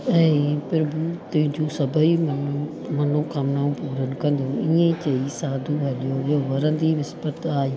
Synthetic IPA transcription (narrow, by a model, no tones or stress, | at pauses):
ɛ̃ːpɪɾbuːt̪ʊ̃ɦɪ̃ɲd͡ʑũːsɐbʱəim | mɐnokʰãmnaːũpuːɾənɪ̆kɐ̃nd̪ũiːẽt͡ɕɐisaːd̪ʱuɦɐɗijooʋɐɾə̃nd̪iʋɪspət̪aːjĩː